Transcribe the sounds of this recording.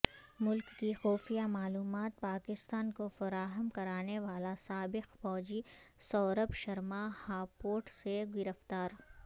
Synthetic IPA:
mʊlkːixɔːfijamaːluːmaːt̪̚paːkɪst̪aːnkofɐɾaːɦəmkɐɾaːneʋaːlasaːbɪqfɔːd͡ʒisɔːɾəpʃɐɾmahaːpoːʈseɡɪɾəft̪aːɾ

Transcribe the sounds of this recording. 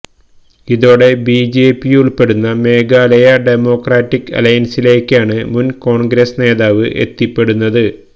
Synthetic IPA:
iðo̞ːɽe̞biːd͡ʑe̞ːpːijuɭpe̞ɽunːɐme̞ːɡaːlɐjɐɖemo̞ːkraːʈːikːɐ̰lɐjɐnsile̞ːkʲːaːɳɨmunko̞ːɳɡɾesne̞ːðaːʋɨʔe̞̰t̪ːipːe̞ɽunːɐðɨ

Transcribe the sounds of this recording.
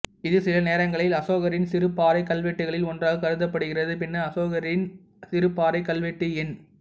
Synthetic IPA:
ɪðɯsɪlɐneːɾɐŋɡɐɭɪlɐsoːɣɐɾɪnsɪɾɯpːaːɾɐɪkɐlʋɛʈːɯɣɐɭɪlɔndraːɣɯkɐɾɯðɐpːɐɽɯɣɪrɐðɯpɪnːɐɐsoːɣɐɾɪn | sɪɾɯpːaːɾɐɪkɐlʋɛʈːɯɪn

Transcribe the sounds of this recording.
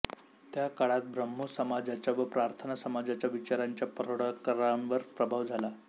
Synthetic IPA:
t̪jakaɭat̪̚bɾəmːusəmad͡zat͡ɕjaʋəpɾaɾt̪ʰənasəmad͡zat͡ɕjaʋit͡ɕaɾaɲt͡ɕjapəɾoɽəkəɾanʋəɾpɾəbʱaʋd͡zʱala

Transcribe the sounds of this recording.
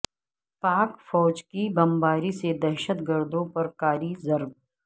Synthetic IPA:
paːkfɔːd͡ʒkibɐmbaːɾised̪ɛɾʃət̪ɡəɾd̪õpɐɾkaːɾizɐɾb

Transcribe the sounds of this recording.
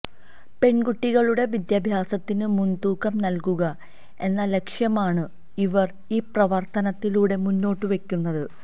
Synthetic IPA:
pe̞ɳɡuʈːiɣɐɭuɽe̞ʋid̪jɐːbʱjaːsɐt̪ːinɨmunt̪uːkːɐmnɐlkuɣɐ | e̞nːɐle̞kʂjɐmaːɳɨ | iʋɐr | iːprɐʋɐrt̪ɐnɐt̪ːiluːɽe̞munːo̞ːʈːɨʋe̞kʲːunːɐðɨ

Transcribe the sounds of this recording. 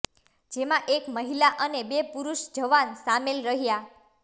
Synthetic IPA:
d͡ʒemãʔekməɦilaʔənebepuɾuʃd͡ʒəʋansamelɾəɦja

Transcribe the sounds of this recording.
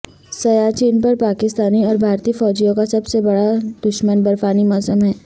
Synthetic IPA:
sɐjat͡ʃiːnpɐɾpaːkɪst̪aːniɔːɾbʱaːɾt̪ifɔːd͡ʒijõkasɐbsebɐɽad̪̥ʊʃmənbɐɾfaːnimɔsəmɦɛː

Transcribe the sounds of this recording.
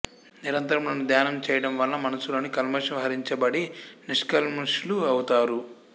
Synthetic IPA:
niɾɐnt̪ɐɾɐmlɐnud̪jaːnɐmt͡ʃɛːjɐɽɐmʋɐlːɐmɐnɐsulɐnikɐlmɐʂɐmɦɐɾiɲt͡ʃɐbɐɽiniʂkɐlmuʂluɐwut̪aːɾu

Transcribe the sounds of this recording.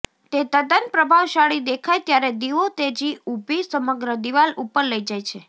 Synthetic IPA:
t̪et̪əd̪ənpɾəbʱaʋʃaɭid̪ekʰajt̪jaɾed̪iʋot̪ed͡ʒiubʱisəməɡɾəd̪iʋalupəɾləid͡ʒajt͡ʃʰe

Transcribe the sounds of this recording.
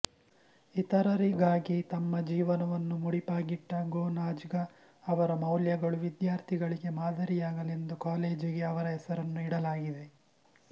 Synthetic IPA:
it̪ɐɾɐɾiɡaːɡit̪ɐmːɐd͡ʒiːʋɐnɐʋɐnːumuɽipaːɡiʈːɐɡoːnaːd͡ʒɡɐː | ʋɐɾɐmɐwljɐɡɐɭuʋid̪jaːɾt̪ʰiɡɐɭiɡe̞maːd̪ʱɐɾijaːɡɐlend̪ukaːleːd͡ʒiɡe̞ɐʋɐɾɐɦɛsɐɾɐnːuiɽɐlaːɡid̪e̞

